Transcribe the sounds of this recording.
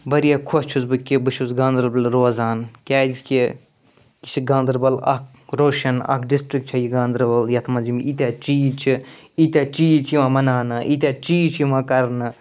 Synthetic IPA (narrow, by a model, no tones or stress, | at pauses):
bɐɾijakʰost͡ʃʰuzbɨkʲibɨt͡ʃʰuzɡãːnd̪ɾbɐlɾoːzaːnkʲaːzkʲe | ki̥t͡ʃʰiɡãːnd̪ɾbɐlɐ̰k̚ʰ | ɾoːʃɐnɐ̰kʰɖisʈɾik̚t͡ʃʰɐjiɡãːnd̪ɾbɐljɐt̪ʰmɐzimiit̪ʲaːt͡ʃiːt͡ʃʰi | it̪ʲaːt͡ʃiːt͡ʃʰjimãmɐnaːnɨʔit̪ʲaːt͡ʃiːt͡ʃʰjimãːkɐɾnɨ